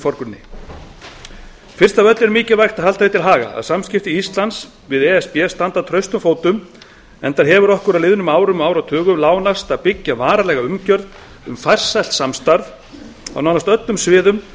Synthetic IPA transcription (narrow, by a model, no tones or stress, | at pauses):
fɔɾkʏnːɪ̰ | fɪr̥st̪avœt̪lɛɾmiːcɪlvajxt̪aðɦal̥t̪avɪt̪ʰɪlɦaːɣa̰a̰ðsamscɪft̪ɪist̪lans | vɪðɛɛspɛst̪ant̪aðt̪ʰɾœɥst̪ʏmfoːwt̪ʏm | ɛnt̪aɾ̥ɦɛvʏɾɔhkʏɾalɪðʏnʏmaːwɾʏmaːwɾawt̪ʰœːɣʏmlaːwnast̪aðpɪcːavaːɾalɛːɣaʏmcœɾð | ʏmfajr̥salt̪samst̪aɾð | a̰wnawnast̪œt̪lʏmsvɪːðʏm